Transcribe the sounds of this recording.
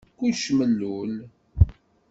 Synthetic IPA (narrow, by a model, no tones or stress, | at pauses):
kʷːuʃməlːul